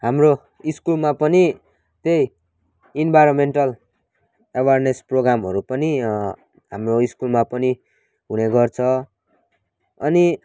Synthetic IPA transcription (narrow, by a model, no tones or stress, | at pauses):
ɦamro | iskulmapʌni | t̪ej | inbʱajɾomeɳʈʌl | awarnesproɡɾamɦʌɾupʌni | ɦamroiskulmapʌni | ɦuneɡʌrt͡sʰʌ | ʌni